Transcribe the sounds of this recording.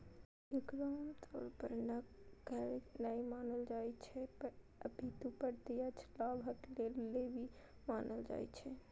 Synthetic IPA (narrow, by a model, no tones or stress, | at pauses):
iɡɾamt̪ʰɔ̰ːɾpəɾnəɡəɾnajmaːnəld͡ʒajt͡ʃʰɛpəɾ | əbʱit̪upəɾt̪ijat͡ʃʰlabʱəklelːebʱi | maːnəld͡ʒa̰ːjt͡ʃʰɛ